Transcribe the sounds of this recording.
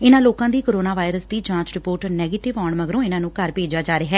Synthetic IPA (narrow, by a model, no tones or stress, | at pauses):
ɪnãːloːkãːd̪iːkoːɾoːnaːʋaːɪɾəsd̪iːd͡ʒãːt͡ʃɾɪpoːɾʈnɛːɡeːʈɪʋɔːɳməɡɾõːɪnãːnũːkəɾpeːd͡ʒaːd͡ʒaːɾeɦɛː